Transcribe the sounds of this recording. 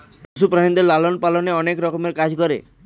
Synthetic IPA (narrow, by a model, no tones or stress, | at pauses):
pusupɾaɳĩnd̪eɾlalɔnpalɔneɔnekɾɔkɔmeɾkad͡ʒkɔɾḛ